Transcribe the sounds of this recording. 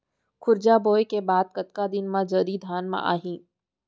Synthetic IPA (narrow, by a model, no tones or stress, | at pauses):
kʰʊɾd͡ʒaːboːjkebaːd̪̚kɐt̪kad̪ɪnmãd͡ʒəɾiːd̪ʱaːnmã̰ʔa̰ːɦĩː